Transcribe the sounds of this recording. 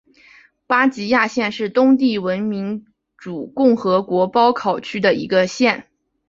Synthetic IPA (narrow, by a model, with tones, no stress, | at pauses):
pa˥t͡ɕi˧˥ja˥˧ɕjɛ˥˧nʂɻ̩˥˩t̪ʊ˥ŋt̪̬i˥˩wə˧˥nmi˧˥ŋ | ʈ͡ʂu˨˩kʊ˥˩ŋxɤ˧˥kwɔ˧˥pɑ˥ʊkʰɑ˨˩ʊt͡ɕʰy˥d̪ə˨ḭ˧˥ɡə˧ɕjɛ˥˩n